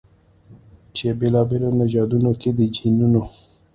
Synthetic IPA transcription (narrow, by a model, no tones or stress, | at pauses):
t͡ʃebelɑbelonaʒɑd̪unoked̪əd͡ʒinuno